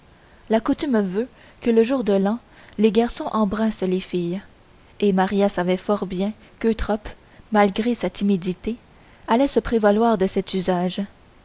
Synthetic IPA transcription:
lakut̪ymvø | kələʒuːʁd̪əlɑ̃ | leɡaʁsɔ̃ʔɑ̃bʁɛ̃slefij | emaʁijasavɛfɔʁbjɛ̃ | køt̪χɔp | malɡʁesat̪ʰimid̪it̪e | alɛsəpχevalwaːʁd̪əsɛt̪yzaːʒ

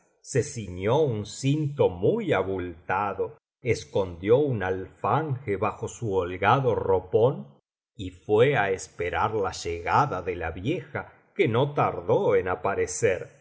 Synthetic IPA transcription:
sesiɲjounsint̪omujaβult̪aðo | eskond̪jounalfaŋxeβaxo̞suolɣaðoropon | ifweaespeɾaɾlaʒeɣaðaðelaβjexa | kenot̪aɾðoenapaɾeseɾ

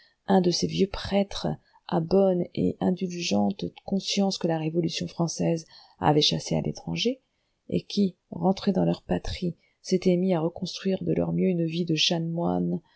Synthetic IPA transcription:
ɛ̃d̪əsevjøpχɛt̪χ | ʔa̰bɔnḛʔɛ̃d̪ylʒɑ̃t̪əkɔ̃sjɑ̃skəlaʁevɔlysjɔ̃fχɑ̃sɛz | a̰vɛʃasea̰lʔḛt̪χɑ̃ʒe | ḛkʲi | ʁɑ̃t̪χed̪ɑ̃lœʁpat̪χi | set̪ɛmiaʁəkɔ̃st̪χɥiʁd̪əlœ̰ʁmjøynvid̪əʃanmwa̰n

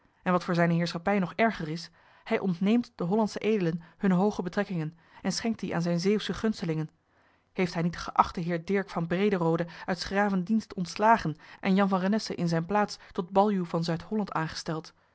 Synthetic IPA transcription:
ʔɛnʋɑtfʊːɹzɛjnəɦɪːɹsχɑpɛjnɔχɛɹχərɪs | hɛjʔɔntnejmtd̥əɦɔlɑntsəʔejdələnhɵnəɦowχəbətrɛkɪŋən | ɛnsχɛŋk̚t̚diʔaːnzɛjnzejwsəχɵnstəlɪŋən | hejftɦɛjnitə̥χəʔɑχtəɦɪːɹdɪɹkfɑnbrejdərowdəʔœɥtsχraːvəndinstɔntslaːχənʔɛnjɑnvɑnrənɛsə̰ʔɪnzɛjnplaːtstɔd̚bɑlˠjuvɑnzœɥtɦɔlɑntaːnχə̥stɛlˠt

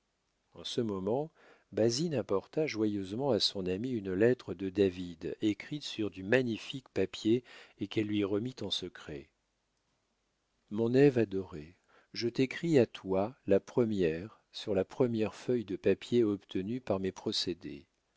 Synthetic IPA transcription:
ɑ̃səmɔmɑ̃ | bazinapɔʁt̪aʒwajøzmɑ̃asɔ̃namiynlɛt̪χəd̪əd̪avid̪ekχit̪syʁd̪ymaɲifikpapjeekɛlːɥiʁəmit̪ɑ̃səkχɛ̰ | mɔ̃nɛvad̪ɔʁe | ʒət̪ekχiat̪walapχəmjɛʁ | syʁlapχəmjɛʁfœjd̪əpapjeɔpt̪ʰənypaʁmepχɔsed̪ḛ

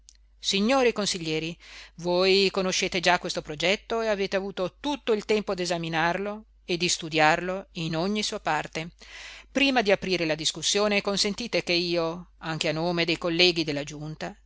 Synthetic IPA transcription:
siɲːoːɾikonsiʎːɛːɾivojkonoʃːeːt̪ed͡ʒakːwest̪opɾod͡ʒɛt̪ːoeaveːt̪eavuːt̪ot̪ut̪ːoilt̪ɛmpod̪ezaminarlo | ed̪ːist̪ud̪jarloinoɲːisuːapart̪epɾiːmad̪iapɾiːɾelad̪iskusːjoːnekonsent̪iːt̪ekeiːoaŋk̟eanːoːmed̪ejkolːɛːɡid̪elːad͡ʒunt̪a

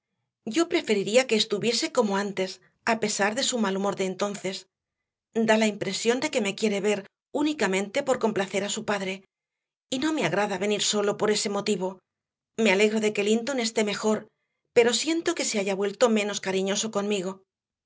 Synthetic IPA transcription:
ɟ͡ʝo̞pɾe̞fe̞ɾiɾiake̞ːst̪uβje̞se̞ko̞mo̞ant̪e̞s | ape̞saɾðe̞sumalumo̞ɾðe̞ːnt̪o̞nθe̞s | d̪alaimpɾe̞sjo̞nd̪e̞ke̞me̞kje̞ɾe̞βe̞ɾ | unikamẽ̞nt̪e̞po̞ɾko̞mplaθe̞ɾasupaðɾe̞ | ino̞me̞aɣɾaðaβe̞niɾso̞lo̞po̞ɾe̞se̞mo̞t̪iβ̞o̞ | me̞ale̞ɣɾo̞ðe̞ke̞lint̪o̞ne̞st̪e̞me̞xo̞ɾ | pe̞ɾo̞sje̞nt̪o̞ke̞se̞aʝaβwe̞lt̪o̞mẽ̞no̞skaɾiɲo̞so̞konmiɣ̞o̞

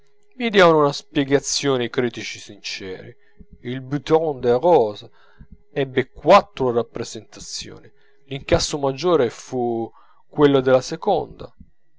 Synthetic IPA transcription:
mid̪jaːvanunaspjɛɡat̪sːjɔːnikɾiːt̪it͡ʃisint͡ʃɛ̰ːɾḭ | ilbyt̪ɔnd̪eɾɔːz | ɛbːekwat̪ːɾorapːɾezent̪at̪sjo̰ːni | liŋkasːomad͡ʒːoːɾefu | kːwelːod̪elasekɔnd̪a̰

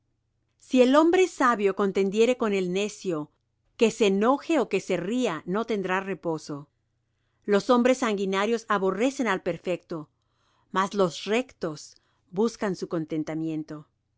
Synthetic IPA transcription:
sie̞lo̞mbɾesaβjo̞ko̞nt̪e̞nd̪je̞ɾe̞ko̞ne̞lne̞sjo̞ | ke̞se̞no̞xe̞oke̞se̞riano̞t̪e̞nd̪ɾare̞po̞so̞ | lo̞so̞mbɾe̞sːaŋɡinaɾjo̞saβo̞re̞se̞nalpe̞ɾfe̞k̚t̪o̞ | maslo̞sre̞kt̪o̞s | buskansuko̞nt̪e̞nt̪amje̞nt̪o̞

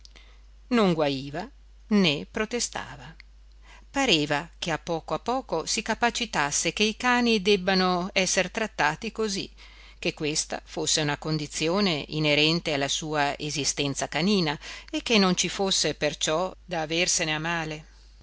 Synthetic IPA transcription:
noŋɡwaiːva | nepɾot̪est̪a̰ːva | paɾeːvakeapːɔːkoapːɔːkosikapat͡ʃit̪asːekeikaːnid̪ɛbːanoɛsːert̪ɾat̪ːaːt̪ikozḭ | k̟ekːwest̪a̰fosːeunakond̪it̪sːjoːneʔḭneɾɛnt̪ealːasuːaezist̪ɛnt̪sakaniːnaekːenːont͡ʃifosːepert͡ʃɔd̪aːverseneamaːle

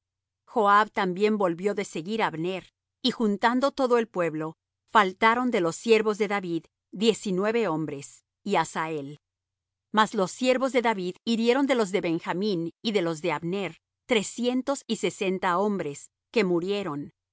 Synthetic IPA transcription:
xo̞aβt̪ambje̞mbo̞lβjo̞ðe̞se̞ɣiɾaβne̞ɾ | ixunt̪and̪o̞t̪o̞ðo̞e̞lpwe̞βlo̞ | falt̪aɾo̞nd̪e̞lo̞sːjeɾβo̞zðe̞ðaβið | dje̞sinwe̞βe̞o̞mbɾe̞s | iasae̞l | mazlo̞sːje̞ɾβo̞zðe̞ðaβiðiɾje̞ɾo̞nd̪e̞lo̞zðe̞βe̞ŋxamĩniðe̞lo̞zðe̞aβne̞ɾ | t̪ɾe̞sje̞nt̪o̞sise̞se̞nt̪ao̞mbɾe̞s | ke̞muɾje̞ɾo̞n

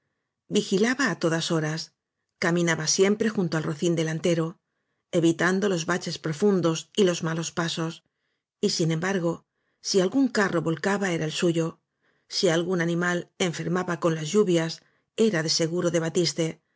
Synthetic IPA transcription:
bixilaβaːt̪o̞ðaso̞ɾas | kamĩnaβasje̞mpɾe̞xunt̪oalro̞θind̪e̞lant̪e̞ɾo̞ | e̞βit̪and̪o̞lo̞zβat͡ʃe̞spɾo̞fund̪o̞silo̞zmalo̞spaso̞s | isine̞mbaɾɣ̞o̞ | sialɣuŋkaro̞βo̞lkaβae̞ɾaelsuʝo̞ | sialɣunanĩmale̞ɱfe̞ɾmaβako̞nlazʝuβjas | e̞ɾaðe̞se̞ɣuɾo̞ðe̞βat̪ist̪e̞

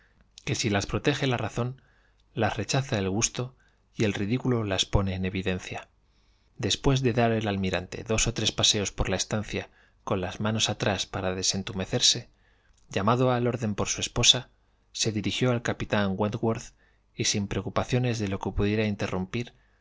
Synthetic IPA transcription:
ke̞silaspɾo̞t̪e̞xe̞laraθo̞n | lasre̞t͡ʃaθaelɣ̞ust̪o̞ | ie̞lriðikulo̞laspo̞ne̞ːne̞β̞iðẽ̞n̟θja | d̪e̞spwe̞zðe̞ðaɾe̞lalmiɾant̪e̞̰ðo̞so̞t̪ɾe̞spase̞o̞spo̞ɾlae̞st̪an̟θja | ko̞nlazmãno̞sat̪ɾaspaɾaðe̞se̞nt̪ume̞θe̞ɾse̞ | ɟ͡ʝamaðoalo̞ɾðe̞mpo̞ɾsue̞spo̞sa | se̞ðiɾixjo̞alkapit̪aŋwent̪ɣwoɾθ | isimpɾe̞okupaθjo̞ne̞zðe̞lo̞kepuðje̞ɾaint̪e̞rumpiɾ

